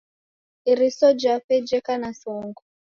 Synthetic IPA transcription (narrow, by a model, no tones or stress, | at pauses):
iɾisɔd͡ʒapɛd͡ʒɛkanasɔŋɡɔ